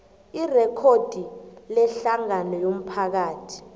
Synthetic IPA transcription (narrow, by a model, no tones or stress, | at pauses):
irɛkʰod̥ʱilɛɬaŋanɔjom̩pʰak̬aːtʰi̥